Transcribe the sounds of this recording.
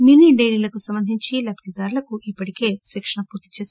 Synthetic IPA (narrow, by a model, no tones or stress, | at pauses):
mjuːniɖejliːlɐkusɐmbɐnd̪ʱiɲt͡ʃilɐbʰt̪id̪aːɾulɐkuipːɐʈike̞ːʃikʂɐɳɐpuːɾt̪i̥t͡ʃeːs